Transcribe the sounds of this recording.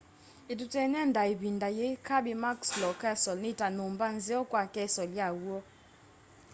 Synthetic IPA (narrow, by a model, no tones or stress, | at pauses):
itutɛnɛndaibindajekabimakslɔkɛsɔlnitanombanzeɔkwakɛsɔljawwɔ